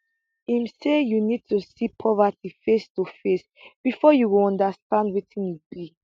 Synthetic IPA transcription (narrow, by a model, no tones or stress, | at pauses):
imsejunid̚tusipʰɔvatifestufes | b̥ifɔjuwilɔ̃ndastãndwitĩnjubi